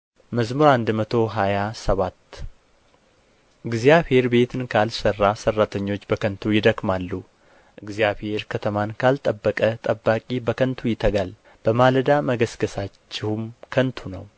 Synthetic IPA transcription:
məzmuɾand̪mət̪ʰo̞ɦajasəβat̪ː | ʔɨɡzijaβhe̞ɾbe̞t̪ʰɨnkʰalsərːasərːat̪ʰəɲːo̞t͡ʃːbəkʰənt̪ʰujɪd̪əkmalːu | ʔɨɡzijaβhe̞ɾkʰət̪ʰəmankʰalt̪ʼəbːəkʼət̪ʼəbːakʼibəkʰənt̪ʰujɪt̪ʰəɡal | b̥əmaləd̪aməɡəsɡəsat͡ʃːɪhumkʰənt̪ʰunəw

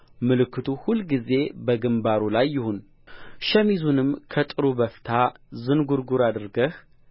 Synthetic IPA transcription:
mɨlɨkʰːɨt̪ʰuhulɡize̞bəɡɨmbaɾulajːɪhun | ʃɛmizunɨmkʰət̪ʼɨɾubəft̪ʰazɨnɡuɾɡuɾad̪ɨɾɡəh

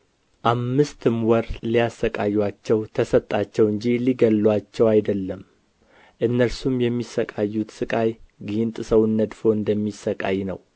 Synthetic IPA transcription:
ʔamːɨst̪ʰɨmwɔɾlijasːəkʼajːwat͡ʃːɛwt̪ʰəsət̪ʼːat͡ʃːɛwɨɲd͡ʒiliɡəlːwat͡ʃːɛwajd̪əlːəm | ʔɨnːəɾsumjɛmːisːəkʼajːut̪sɨkʼajɡint̪ʼɨsəwɨnːəd̪fo̞ɨnd̪əmːisːəkʼa̰jnə̰w

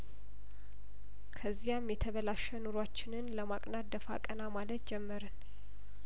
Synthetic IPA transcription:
kʰəzːijamjɛt̪ʰəβəlaʃənuɾwat͡ʃːɪnɨnləmakʼnat̪d̪əfa̰kʼənamalət̪̚d͡ʒɛmːəɾən

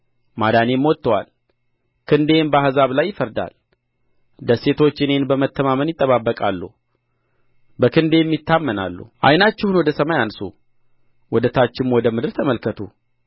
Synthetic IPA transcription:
mad̪ane̞mwɔt̪ːəwa̰l | kʰɨnd̪e̞nbahzaβlajːɪfəɾd̪a̰l | d̪əse̞t̪ʰo̞t͡ʃːɨne̞nbəmət̪ʰːəmamənjɪt̪ʼːəβabːəkʼalːṵ | bəkʰɨnd̪ejmːit̪ːamːəna̰lːṵʔa̰jnat͡ʃːɛhunwɔd̪əsəmajansṵ | wɔd̪ət̪ʰat͡ʃːɪmwɔd̪əmɨd̪ɨɾt̪ʰəməlkʰət̪ʰu

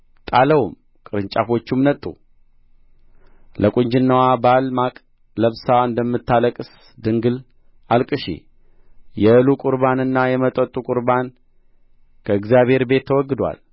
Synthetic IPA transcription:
t̪ʼaləwum | kʼɨɾɨɲt͡ʃʼafo̞t͡ʃːumnət̪ʼːṵ | ləkʼuɲd͡ʒɪnːəwabalmakʼ | ləβsaɨnd̪əmːɨt̪ʰːaləkʼɨs | d̪ɨŋɡɨl | ʔalkʼɨʃḭ | jɛɨlukʼʊɾbanɨnːajɛmət̪ʼət̪ʼːukʼʊɾban | kʰəɨɡzjaβhe̞ɾbe̞t̪ʰːəwɔɡːɨd̪wa̰l

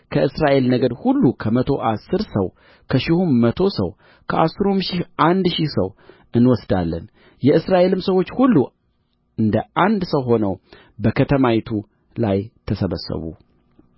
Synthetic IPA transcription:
kʰəʔɨsɾaʔe̞lnəɡəd̪hulːukʰəmət̪ʰo̞̰ʔasːɨɾsəw | kʰəʃɪhumːət̪ʰo̞sə̰w | kʰəʔasːɨɾumʃihʔand̪ʃihsəw | ʔɨnwɔsd̪alːə̰n | jɛɨsɾaʔe̞lɨmsəwo̞t͡ʃːhulːu | ʔɨnd̪əʔand̪səwɦo̞nəw | bəkʰət̪ʰəmawit̪ʰu | lajt̪ʰəsəβə̰sːə̰βṵ

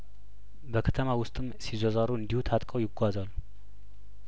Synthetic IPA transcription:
bəkʰət̪ʰəmawʊst̪ʼɨmsizozaɾuɨnd̪ihut̪ʰat̪ʼkʼəwjɪɡʷazalːu

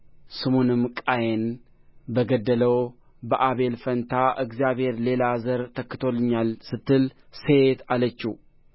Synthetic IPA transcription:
sɨmunɨmkʼajen | bəɡəd̪ːələw | bəʔaβe̞lfənt̪ʰaʔɨɡzijaβhe̞ɾle̞lazəɾt̪ʰəkːɨt̪ʰo̞lːɨɲːalsɨt̪ʰːɨlset̪alət͡ʃːu

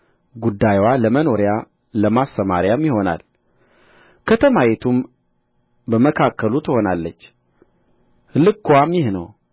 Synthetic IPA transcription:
ɡud̪ːajwaləməno̞ɾja | ləmast̪əma̰ɾjamjiho̞na̰l | kʰət̪ʰəmajɛt̪ʰum | bəməkʰakʰːəlut̪ʰəho̞nalːət͡ʃː | lɨkːwamjɪhnəw

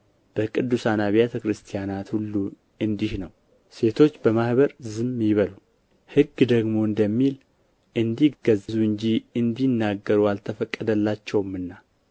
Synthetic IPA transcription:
b̥əkʼɨd̪ːusanaβijet̪ʰəkɾɨst̪ʰijanat̪hulːu | ɨnd̪ihnəw | se̞t̪ʰo̞t͡ʃːbəmahβəɾzɨmjɪβəlu | hɨɡːd̪əɡmo̞ɨnd̪əmːil | ʔɨnd̪iɡəzzuɨɲd͡ʒiɨnd̪inːaɡːəɾualt̪ʰəfəkʼːəd̪əlːat͡ʃːɛwmɨnːa

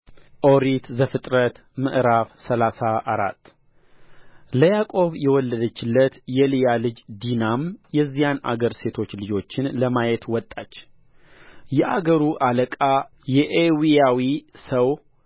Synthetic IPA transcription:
ʔo̞ɾit̪zəfɨt̪ʼɾət̪ | mɨʔɾafsəlasaʔːɾa̰t̪ː | ləjakʼo̞βjɛwɔlːəd̪ət͡ʃːɪlːət̪jɛlijalɨd͡ʒd̪inamjɛzːijana̰ɡəɾse̞t̪ʰo̞t͡ʃːlɨd͡ʒo̞t͡ʃːɪnləmajɛt̪wɔt̪ʼːat͡ʃː | jɛʔa̰ɡəɾuʔaləkʼa | jɛʔewiawisəw

